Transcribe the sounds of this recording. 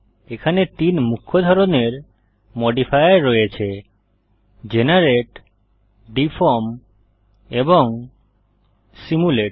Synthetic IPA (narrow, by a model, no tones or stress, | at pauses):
ekʰanet̪inmukʰːod̪ʱɔɾoneɾ | mɔɖipʰajɾːɔjet͡ɕʰe | d͡ʑenaɾeʈ | ɖifʰoɾm | eboŋ | simuleʈ